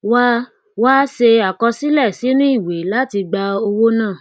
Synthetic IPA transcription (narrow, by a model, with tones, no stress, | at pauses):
wa˦ | waː˦ʃe˧a˨kɔ˧si˦lɛ˦˨si˨˦nĩ˦i˦˨we˨˦la˦ti˧ɡ͡ba˧o˧wo˦nãː˦˨